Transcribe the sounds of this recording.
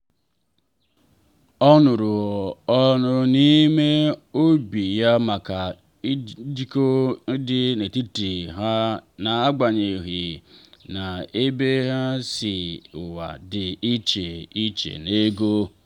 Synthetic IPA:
ɔ˦nʊ˨ɾʊ˨ɔ˦nʊ˦ni˦me˦o˦bi˨ja˦ma˨ka˨˦ | di˦ko˦dɪ˦ne˨ti˦ti˨ɦa˦na˨a˦ɡ͡ba˨ɲe˨ɦɪ˨na˨e˦be˦ɦa˦sɪ˨ʊ˨wa̰˨dɪ˨i˦t͡ʃe˨i˦t͡ʃḛ˨ne˦ɡo˦

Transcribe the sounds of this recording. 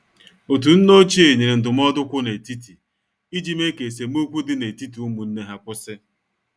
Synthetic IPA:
o˨t̬u˨n̩˦no˦t͡ʃi˦e˨ɲe˨ɾe˨n̩˨dʊ˨m̩˦ɔ˦dʊ˦kʷʊ˦ne˨ti˦ti˨ | i˦d͡ʒi˦me˦ke˨s̬e˨m˦o˦k͡pu˦dɪ˦ne˨ti˦ti˨u˦mu˨n̩˦ne˦ɦa˦kʷʊ˦sɪ˦

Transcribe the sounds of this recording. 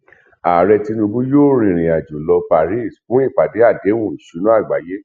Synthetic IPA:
a˨ɾɛ˧ti˧nũ˧bu˦joː˦˨ɾ̃ĩ˧˨ɾ̃ĩ˨a˨d͡ʒo˨lɔ˧pa˨ɾi˦˨sfũ˨˦i˦˨pa˨de˨˦a˦˨de˨˦wũ˦˨ʃu˨˦nũ˦a˦˨ɡ͡ba˨je˦

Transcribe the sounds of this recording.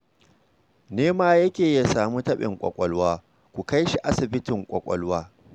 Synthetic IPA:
neː˦maː˦jɐ˦kʲeː˨ja˨saː˨mu˦tɐ˦ɓɪ̰˨ŋkʷʼɔ̰˨kʷʼɔ˦lwaː˦ | kʷu˨ka˦jʃi˨ʔa˦sɪ˨bɪ˦tɪ˨ŋkʷʼɔ˨kʷʼɔ˦lwaː˦

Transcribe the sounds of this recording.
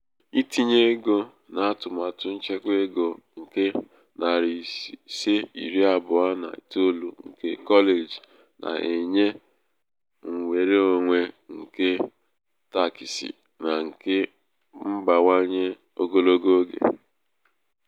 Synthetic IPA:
i˦ti˨ɲe˦ɡo˦ | na˨a˦tʊ˨ma˨tʊ˦n̩˦t͡ʃe˦kʷe˦ɡo˨ŋ̩˨ke˦ | na˨ɾi˨se˦i˨ɾi˦a˨bʊ˨a˦na̰˨to˦lu˨ŋ̩˨ke˦kɔ˦le˨d͡ʒi˨ | nʔa̰˨ʔe˨ɲe˦ | ŋ̩˨wʷe˨ɾe˦o˨ŋʷe˦ŋ̩˨ke˦ | ta˦ki˨sḭ˨ | na˨ŋ̩˨ke˦ | m̩˦ba˨ŋa˦ɲe˦ | o˦ɡo˦lo˦ɡo˦ɡḛ˨

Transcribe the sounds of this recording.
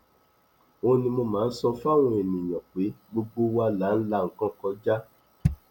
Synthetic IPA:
o˧nĩ˧mo˧mãː˨˦˧n̩˦sɔ˧fa˦˨ɾ̃ũ˧˦e˨nĩ˨j̃ã˨k͡pe˨˦ɡ͡bo˧ɡ͡bo˦wa˧la˨˦n̩˦la˦˨ŋ̩˨kã˦kɔ˧d͡ʒa˦

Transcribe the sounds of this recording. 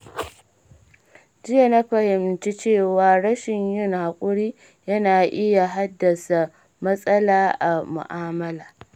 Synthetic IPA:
d͡ʒɪ˦ja˨na˦ɸɐ˨hɪ˨mt͡ʃi˦t͡ʃeː˦˨waː˨ɽɐ˦ʃɪ˨ɲjɪ˦˨ŋha˨kʷʼʊ˦ɽiː˦ | jɐ˦naː˨ʔɪ˦ja˨ɦa˦dːɐ˨sa˨ | mɐ˦sʼɐ˦laː˦ʔa˨mʊ̰˨ʔaː˦mɐ˦laː˨

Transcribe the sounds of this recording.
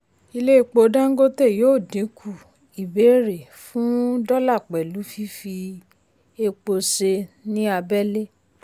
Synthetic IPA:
i˧le˦i˦˧k͡po˧dã˦ŋ̩˦ɡo˦te˦˨joː˦˨dĩ˨˦kʰu˦˨ | i˨be˨˦ɾe˨ | fũ˦dɔ˦la˦˨k͡pɛ˨lu˨˦fi˦fi˧ | e˧k͡po˧se˧nĩ˦a˧bɛ˦le˦

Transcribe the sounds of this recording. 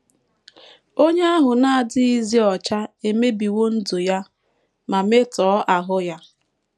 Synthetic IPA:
o˦ɲe˦a˦ɦʊ˨na˦a˨dɪ˦i˦zi˦ɔ˨t͡ʃa˦e˨me˦bi˨wo˦n̩˦do˨ja˦ | ma˨me˦tɔː˨˦ʔa˨ɦʊ˦ja˦

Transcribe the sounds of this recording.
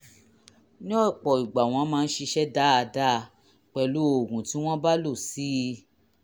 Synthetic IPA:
nĩ˦ɔ˦˨k͡pɔ˨i˨ɡ͡ba˨w̃ɔ̃˧˦mãː˧˦˧n̩˦ʃe˧ʃɛ˦da˦a˧da˦˧ | k͡pɛ˧lu˨˦o˨ɡũ˨ti˨˦w̃ɔ̃˦ba˦lo˦˨si˨˦˧

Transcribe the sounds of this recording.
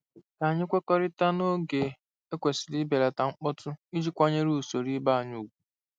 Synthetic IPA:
ka˨ɲɪ˦kʷe˦kɔ˦ɾɪ˦ta˦no˦ɡe˨ | e˦kʷe˨sɪ˨li˦be˨ɾa˨ta˨ŋ͡m̩˦k͡pʊ˦tʊ˦i˦d͡ʒi˦kʷa˦ɲe˦ɾu˦˨so˨ɾi˦ba˦˨a˨ɲu˨kʷu̥˦

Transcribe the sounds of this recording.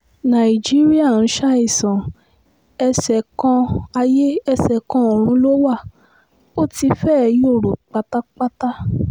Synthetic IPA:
nã˨i˨d͡ʒi˦ɾi˦a˦˨ñ̩˨˦ʃa˦i˦˨sã˨ | ɛ˧sɛ˨kɔ̃˧a˧je˦ɛ˧sɛ˨kã˧o˨ɾ̃ũ˨˦lo˦wa˦˨ | o˦˨ti˧fɛː˦˧jo˦˨ɾo˨k͡pa˧ta˦k͡pa˦ta˦

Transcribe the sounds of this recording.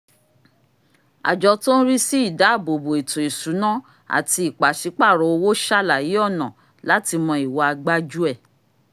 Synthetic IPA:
a̰˨d͡ʒɔ˨˧to˦n̩˦ɾi˦si˦i˦˨da˨˦˨bo˨bo˨e˨to˨e˨su˨˦nã˦ | a̰˨ti˧i˨k͡pa˨ʃi˨˦k͡pa˦˨ɾo˨˦o˧wo˦ʃa˦la˨ji˨˦ɔ˦˨nã˨ | la˨˦ti˧mɔ̃˧i˨wɔ˧˦a˧ɡ͡ba˦d͡ʒu˦ɛ˦˨

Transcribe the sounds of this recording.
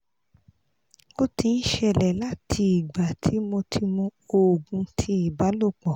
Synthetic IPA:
o˦ti˧n̩˦ʃɛ˧˨lɛ˨la˦tʰi˧i˨ɡ͡ba˨tʰi˨˦mo˧tʰi˧mũ˧o˨ɡũ˧tʰi˦i˦˨ba˨˦lo˦˨k͡pɔ˨

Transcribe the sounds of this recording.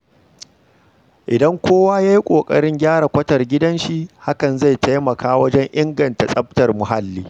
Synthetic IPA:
ʔɪ˨dɐ˦ŋkʷʰoː˦waː˦jaː˦ji˦kʷʼoː˨kʼɐ˦ɽɪ˦ŋɡʲaː˦ɽa˨kʷɐ˦tɐ˨rɡʲɪ˦dɐ˦nʃi˦ha˦kɐ˨nza˦˨jtʰa˦jmɐ˨kʰaː˦wɐ˦d͡ʒɛ˦ɲʔɪ˦ŋɡɐ˨nta˨sʼɐ˦b̚tɐ˨rmʊ˨ɦa˦lːiː˦

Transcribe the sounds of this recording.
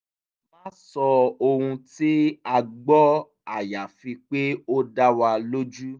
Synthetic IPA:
mã˦sɔ˧o˧hũ˧ti˦a˧ɡ͡bɔ˦ | a˦˨ja˨fĩ˧k͡pe˦o˦da˦wa˧lo˦d͡ʒu˦

